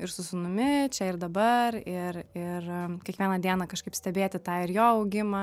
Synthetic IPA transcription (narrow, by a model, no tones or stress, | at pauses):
ɪɾsʊsʊmʊmʲɪt͡ʃʲɛɪɾd̪ɐbɐɾɪɾɪrkʲɛkʋʲiɛnɐd̪ʲiɛnɐkɐʃkɐɪpsʲt̪ʲɛbʲeːt̪ʲɪt̪ɑːɪɾjoːɐʊɡʲɪmɐ